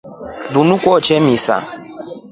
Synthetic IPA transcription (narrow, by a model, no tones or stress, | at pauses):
ðunukʷɔt͡ʃɛmisa̰